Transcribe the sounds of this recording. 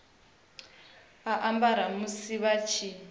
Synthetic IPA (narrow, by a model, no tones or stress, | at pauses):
aʔambaɾ̤amusiβat͡ʃʰi